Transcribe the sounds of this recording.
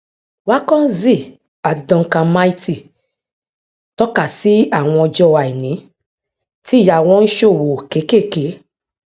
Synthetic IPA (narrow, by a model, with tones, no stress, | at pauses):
wa˦kɔ̃˦n̩˦zi˦˨ | a˨ti˨dɔ̃˧ŋ̩˦kã˧˦ma˦i˦ti˦˨ | tɔ˦ka˨si˦a˦˨w̃ɔ̃˧ɔ˧d͡ʒɔ˧˦˨wa˨i˨nĩ˨˦ | ti˦˨ja˧˨w̃ɔ̃˦n̩˦ʃo˦˨wo˨ke˨˦ke˦˨ke˨˦